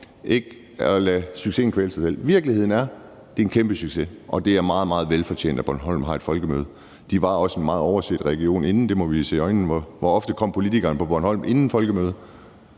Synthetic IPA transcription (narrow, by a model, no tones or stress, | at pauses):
ʔe̝ɡ̥ | ɒlæsyɡ̥se̝̰ːn̩kʰʋeːləsɑɪsel̰ʋiɐɡ̥lihe̝ð̞̰ˠn̩æɐ | d̥e̝enkʰemb̥əsyɡ̥se̝ʔɒ̽d̥e̝æɐmɑ̈ːð̞̩ˠmɑ̈ːð̞̩ˠʋelfɒ̽t͡ɕʰḛːnd̥æb̥ɒɐnɦɒ̽l̰mɦɑ̈e̝d̥fɒ̽lɡ̥əmøːð̞ˠə | d̥iʋɑ̈ɒ̽senmɑ̈ːð̩ˠɒʊɐsed̥ʁɛɡ̥io̝̰ːne̝nn̩d̥e̝mɒ̽ʋise̝̰ːɒ̽ɪnn̩ʋɒʋɒɒ̽fd̥əkʰɒ̽m̰pʰo̝lit͡sʰiɡ̥ɐnəpʰɒ̽b̥ɒnhɒ̽l̰mʔe̝nn̩fɒ̽lɡ̥əmøːð̞ˠ